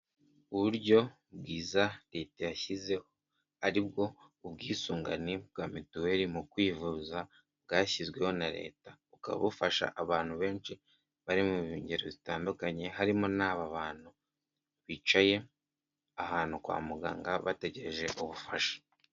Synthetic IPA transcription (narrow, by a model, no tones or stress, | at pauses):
uβuɾɟo̞ | bɡiːzaɾetajaçize̞ho̞ | aɾibɡo̞ | ubɡiːsuːŋɡa̰nibɡaːmituwe̞ɾimukwiːvuːza | bɡaːçizɡwe̞ho̞naɾe̞̰ːtaβuka̰βa̰βufaʃa̰ʔaβaːn̥huβe̞ːnʃi | βaɾimuβiuːɲɟeɾoβitaːndukaɲe̞ɦaɾimonaːβaβaːn̥hu | βiːt͡ʃaje̞ | aɦaːn̥ukwa̰ːmuɡa̰ːŋɡaβate̞ɟe̞ɾeʒe̞ʔuβufaʃḁ